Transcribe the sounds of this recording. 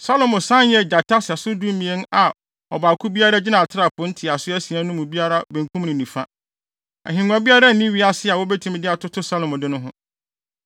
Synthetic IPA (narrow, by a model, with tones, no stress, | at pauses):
sa˦lo˨mʊ̃˨sã˦njɛ˦˨d͡ʑa˨tʰa˦sɛ˨sʊ˦du˦m˦mĩ˨e˦n˦a˨ | ɔ˨baː˨kʰʊ˦bi˦a˦ɾa˦d͡ʑɪ˦nã˨a˨tʰɪ˦ɾa˨pʰʊ̃˨˦n̩˦tʰɪ˨a˨sʊ˦æ˦sĩ˨ã˦nʊ̃˦mũ˨bi˦a˦ɾa˦bẽ˨ŋ˨kʰũ˦m˦nɪ̃˨nĩ˨fã̰˦ | æ̰˨ɦĩ˨ŋʷ˨ã˦bi˦a˦ɾa˦n̩˨nĩ˦ɥi˦a˨˦sɪ˦˨a˨wɔ˦bɛ˦tʰũ˨m̃˦dɪ˦a˨tʰʊ˦tʰʊ˦sa˦lo˨mʊ̃˨dɪ˦nʊ̃˦ɦʊ̃˦